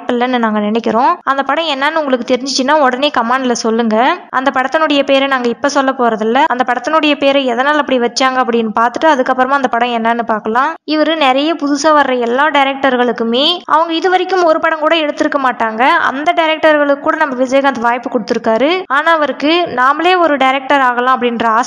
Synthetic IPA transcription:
pːɐlːɐnːɯnaːŋɡɐnɪnɛkʲːɪɾõːɐnd̪ɐpɐɽɐ̃ɛnːɐnːɯʊŋɡɐɭɯkːɯt̪ɛɾɪɲd͡ʒɪt͡ʃːɯnːaːɔɽɐneːkɐmaːɳɖɪlɐsɔlːɯŋɡɐʔɐ̰nd̪ɐpɐɽɐt̪ːɐnɯɽɐjɐpeːɾɛnaːŋɡɐɪpːɐsɔlːɐpoːɾɐðɪlːɐɐnd̪ɐpɐɽɐt̪ːɐnɯɽɐjɐpeːɾɛɛðɐnaːlɐpːɐɽiʋɐt͡ʃːaːŋɡɐːp̬ːɐɽɪnːɯpaːɾt̪ɯʈːɯɐðɯkːɐpːɯɾɐmaːɐnd̪ɐpɐɽɐ̃ɛnːɐnːɯpaːɾkɐlãːɪʋɐɾɯnɛɾɐjɐpʊðʊsɐʋɐɾːɐɛlːaːɖɐɪɾɛk̚ʈɐɾɣɐɭɯkːɯmeːʔɐ̰ʋɐŋɡɐɪðɯʋɐɾɪkːɯmɔɾɯpɐɽɐ̃ŋkuːɽɐɛɽɯt̪ːɯɾɯkːɐmaːʈːaːŋɡɐɐ̰nd̪ɐɖɐɾɛk̚ʈɐɾɣɐɭɯkːuːɽɐnɐmːɐʋɪsɐjɐkɐnd̪ɐʋaːjpːɯkɔɽɯt̪ːɯɾɯkːaːɾɯaːnaːɐʋɐɾɯkːɯnaːmɐleːɔɾɯɖɐɪɾɛk̚ʈɐɾaːɣɐlãːɐpːɐɽɪndɾɐaːs

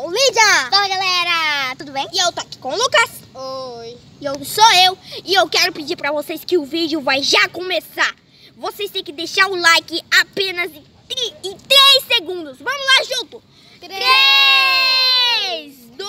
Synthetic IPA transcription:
olid͡ʒɐd̪oɐɡalɛɾɐt̪ud̪ʊbẽj̃ɪewt̪oaki̥kõʊlukas | oj | ewsoewɪewkɛɾʊpɪd͡ʒiɾpɾɐvoseskɪʊvid͡ʒjʊvajʒakõmesaɾ | vosest̪ẽj̃kɪd̪eʃaɾʊlajkɪapẽnɐzɪ | t̪ɾɪt̪ɾeseɡũnd̪ʊsvɐ̃mʊlaʒũt̪ʊ | e | z

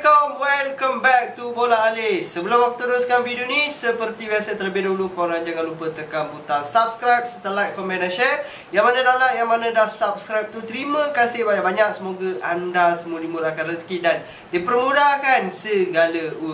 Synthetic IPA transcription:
kawɛlkəmbɛk̚t̪ubolaːlɪsəbəlʊmakut̪əɾʊskanvidonisəpərt̪iwɛsət̪t̪ələbɪhdulukoɾaŋd͡ʒaɡalupət̪əkanbut̪aŋsap̚skɾajp̚sət̪əlaj̚kɔmbɛnaʃɛ | jaŋmanãdalaʔjaŋmanãdahsap̚skɾajp̚t̪ut̪əɾimə̃kasɪhbaɲaʔbaɲak̚səmoɡəʔandasəmulimuɾakanrəskidan | dipərmudakansəɡaləu

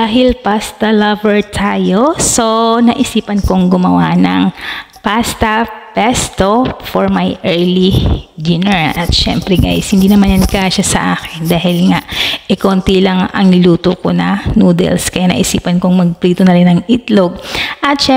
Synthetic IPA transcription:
aːɦɪlpast̪ɐlɐvɛɹt̪ʰaːjo̞so̞nɐʔɪsiːpɐnkoŋɡʊmɐwanɐŋ | past̪ɐpɛst̪o̞foɹmajʔɛɹlid͡ʒ̪ɪnɛɹʔɐt̪ʃɛ̰mpɾɛɡa̰jshɪnd̪iːnɐmanjɐnkaʃasɐʔaːkɪnd̪aːhɪlŋaʔʔɪkoːnt̪ilɐŋɐ̰ŋnɪluːt̪okonɐnuːd̪ɛ̰lskɐjanɐ̰ʔɪsḭːpɐnkoŋmɐɡ̚pliːt̪onɐɾɪnɐŋʔɪt̪loɡ̚ʔɐt̪ʃɛ

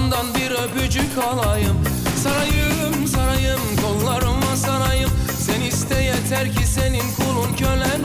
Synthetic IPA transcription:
nd̪ɑnbiɾɪbød͡ʒykʲʰɑlˠɑjɯm | sɑɾɑjɯ | msɑɾɑjɯmk̪ʰolˠːɑɾɯmɑsɑɾɑjɯm | senist̪ɛjɛt̪ʰæɾkʲʰiseninkʰolˠunkʲʰølæ

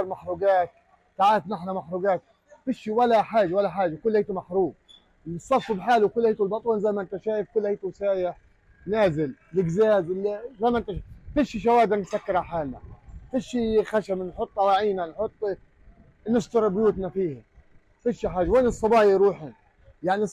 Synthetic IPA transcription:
ɑɾˤmaħɾuːɡaːt̪̚ | t̪aʕaːt̪nɪħnamaħɾuɡaːt̪̚ | fiʃːiwalːaħaːʒawalːaħaːʒakʊlːhajt̪umaħɾuːb̚ | ɨsˤːɑfːbħaːluwkʊlːhajt̪ulbɑt̪ˤuːnzajmaʔnt̪aʃaːjɪfkʊlːhajt̪uwsaːja | naːzɪllɪɡzaːzlzajmaʔnt̪aʃfiʃiʃ̬awaːd̪ɪɾnɪt̪sakːɪɾaħaːlna̰fiʃːixaʃamnħʊt̪ˤːɑwaʕiːnanħʊt̪ˤː | nɪʃt̪ɑɾˤbjuːt̪nafiːhɪ | fiʃːiħaːʒaweːnɨsˤːɑbɑːjiɾuːħɪn | jaʕni

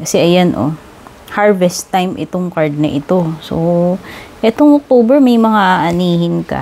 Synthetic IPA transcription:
kɐsɛʔɐjanʔo̰ | haɹvɛst̪ːajmʔɪ̰t̪oŋkaɹd̪̚nɐʔɪt̪o̞so | ʔɛt̪oŋʔok̚t̪oːbɛɹmɐjmɐŋaʔaʔɐniːhɪnkɐ̰

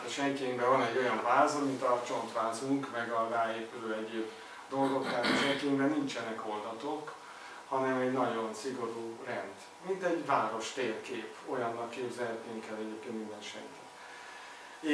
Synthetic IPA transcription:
t̪oʃɛŋkeːŋbɛvɒnɛɟːo̞jɒɱvaːzɒmint̪ɒt͡ʃo̞nt̪ʋaːzuŋkmɛɡɒraːeːpyløːɛɟeːb | d̪o̞lɡo̞kt̪aːt̪oʃɛŋkeːŋbɛnint͡ʃɛnɛkho̞ld̪ɒt̪ok | hɒnɛmɛɟnɒɟo̞nsiɡo̞ɾuːrɛnd̪ | mint̪ɛɟvaːɾo̞ʃt̪eːrkeːpo̞jɒnːɒlkːeːbzɛlɦɛt̪nyŋkɛlɛɟeːpkeːnt̪mind̪ɛnʃɛ̰ŋki̥ | e

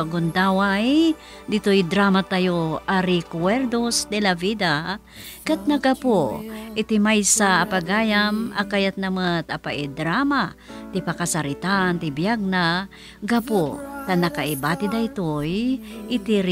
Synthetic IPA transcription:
ɡʊnd̪aːwaj | d̪ɪt̪ojd̪ɾaːmat̪ajoʔaɾɪkwɛɾd̪ost̪ɛlavid̪a | kat̪̚nɐɡapoʔɪt̪ɪmajsaːpaɡaːjamakajat̪̚nɐmət̪apaʔɪd̪ɾamat̪ɪpakasɐɾɪt̪ant̪ɪbjaɡ̚na | ɡapot̪anɐkaʔɪbat̪ɪd̪aɪt̪ojɪt̪iɾ

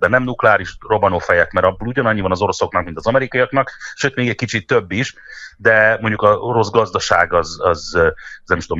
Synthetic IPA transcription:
d̪ɛnɛmnuklɛaːɾiʃro̞bɒnoːfɛjɛkmɛɾɒbːoluɟɒnɒɲːivɒnɒzo̞ɾo̞so̞knɒk̚mint̪ɒzɒmɛɾikɒijɒknɒkʃøːt̪meːɡɛckit͡ʃit̪ːø̞bːiʃd̪ɛmo̞ɲɟukɒɾo̞zɡɒzd̪ɒʃaːɡɒzɒznɛmt̪om

